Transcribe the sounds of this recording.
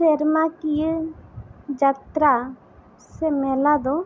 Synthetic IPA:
seɾmakij | d͡ʒat̪ɾa | semeːlad̪o

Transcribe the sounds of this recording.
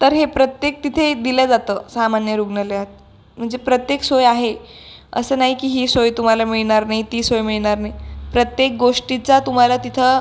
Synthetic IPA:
t̪əɾɦepɾət̪jek̚t̪it̪ʰed̪iləd͡zat̪əːsamanjəɾuɡɳəleɦət̪̚ | m̤əɳd͡zepɾət̪jeksojaɦe | ə̰səːnaɦikiːɦiːsojt̪um̤alamiɭɳaɾnait̪iːsojmiɭɳaɾnaɦipɾət̪jek̚ɡoʂʈit͡sat̪um̤alat̪it̪ʰə

